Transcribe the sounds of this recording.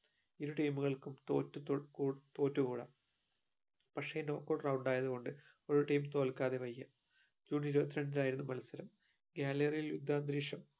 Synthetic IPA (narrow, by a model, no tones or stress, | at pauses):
iɾuʈɐjmuɣɐɭkumt̪o̰ːtːɨkuːt̪o̞ːtːukuːɽɐ̰ | pɐkʂeno̞ːkːoɭrɐwuɳɖaːjɐðuɣo̞ɳɖɨ | o̞ɾuʈɐjmt̪o̞ːlkːaːðe̞ʋɐjːɐ | d͡ʑuːniɾubɐt̪ːiɾɐɳdilaːjiɾunːumɐlɐsɐɾɐm | ɡaːlɐrijiljud̪ʱːaːnd̪ɾiːʂɐm